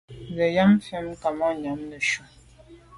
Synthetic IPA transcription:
ɣə˨ja˦mfjɛ˦mka˨ma˦ɲa˨˦mnə˨ʃu˨

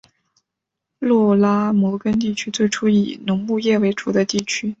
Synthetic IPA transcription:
lwɔ˥˩la˥mwɔ˧˥kə˥nt̪̬i˥˩t͡ɕʰy˥t͡swe˥˩ɪʈ͡ʂʰu˥ḭ˨˩nʊ˧˥ŋmu˥˧jɛ˥˩we˧˥ɪʈ͡ʂu˧˥d̪ə˧t̪i˥˩t͡ɕʰy˥

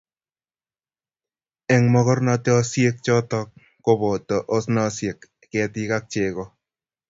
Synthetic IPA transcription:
ɛ˨ŋmɔ˦kɔ˦rna˧te˦ɔ˦sje˦k̚t͡ʃɔ˦tɔ˦k̚ː | o˦bo˨tɔ˨ʔo˦snɔ˦sje˨k | kɛ˨ti˦ka˦k̚t͡ʃe˨kɔ˦

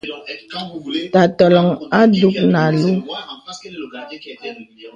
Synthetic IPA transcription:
ta˨tɔ˨lɔ˨ŋa˦du˦k̚na˨lu˦

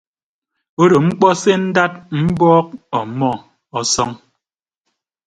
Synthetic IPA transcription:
o˦ɾo˨ŋ͡m̩˦k͡pɔ˦se˦n̩˦da˦t̚m̩˦bɔː˦k̚ɔ˨mɔ˦˨ | ɔ˨sɔ˦ŋ

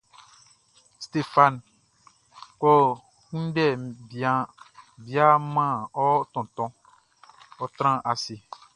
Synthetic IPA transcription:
st̪e˦fã˨n | kɔ˦ | kũ˦n˦dɛ˦˨bi˨ã˨bi˦a˦mã˦˨ɔ˦t̪ɔ̃˨t̪ɔ̃˨ | ɔ˦t̪ɾ̃ã˦ʔa˨si˨

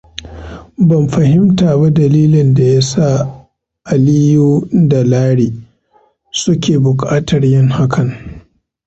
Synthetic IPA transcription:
bɐ˨mɸɐ˨hɪ˦mtaː˨ba˦dɐ˨liː˦lɪ˨nda˨ja˦sa˦˨ | ʔa˨lɪ˦juː˦dɐ˨laː˦ɽiː˨ | sʊ˦kʲeː˨bʊ˨kʼaː˦tɐ˨rjɪ˦ŋha˦kʰɐ˨ŋ

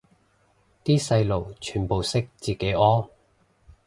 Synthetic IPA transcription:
t̪iː˥sɐ˧jlo˨˩wt͡ʃʰyː˨˩npo˨wsɪ˥k̚t͡siː˨˩ke˨˥jɔː˥

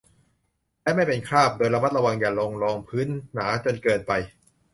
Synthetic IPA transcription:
lɛ˦˥ma˥˩jpe˧nkʰaː˥˩p̚doː˧jɾa˧ma˦˥t̪̚ɾa˧wa˧ŋjaː˨˩lo˧ŋlɔː˧ŋpʰɯː˦˥nːaː˩˦t͡ɕo˧nkɤː˧npa˧j

